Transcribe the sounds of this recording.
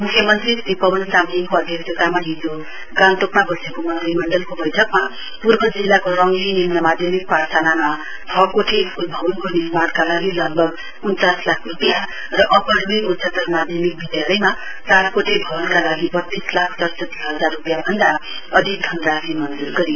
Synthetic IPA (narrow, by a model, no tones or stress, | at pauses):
mukʰːjʌmʌnt̪risipʌbʌnsamnikoʌd̪ʱjʌkd͡zʌk̪amaɦid͡zo | ɡant̪okmabʱosekomʌnt̪rimʌɳɖʌlkobʌjʈʰʌkma | purbʌd͡zilːakoɾʌŋɡinimnʌmad̪ʱjʌmik̚paɾsanama | tʰʌkoʈʰeulbʱʌbʌnkonirmankalaɡilʌɡ̚bʱʌɡ | unt͡saslakʰrupja | rʌʔʌpʌɾmiutsʌt̪ʌrmad̪ʱjʌmik̚bid̪jalʌjma | t͡saɾkoʈʰebʱʌbʌnkalaɡibʌt̪ːislakʰt͡sʌrsʌt̪i̥sɦʌd͡zarrupjabʱʌnd̪a | ʌd̪ʱik̚d̪ʱʌnd̪rasimʌnd͡zurɡʌɾi